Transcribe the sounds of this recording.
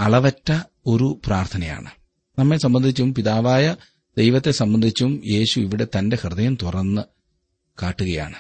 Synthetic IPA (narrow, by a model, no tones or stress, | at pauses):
ɐɭɐʋɐtːɐ | o̞ɾupraːrt̪ʰɐnɐja̰ːɳɨ | nɐmːesɐmbɐnd̪ʱit͡ɕːumpiðaːʋaːjɐ | d̪e̞jʋɐt̪ːe̞sɐmbɐnd̪ʱit͡ɕːumje̞ːɕuiʋiɽe̞t̪ɐnde̞hrɨðɐjɐmt̪urɐnːɨ | kaːʈːuɣɐja̰ːɳɨ